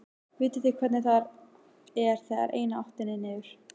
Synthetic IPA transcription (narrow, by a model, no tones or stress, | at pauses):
vɪːt̪ɪθɪkʰvɛɾt̪nɪθaɾ | ɛɾ̥θɛða̰ɾʔḛːjnaaht̪ɪnɪnɪvʏɾ̥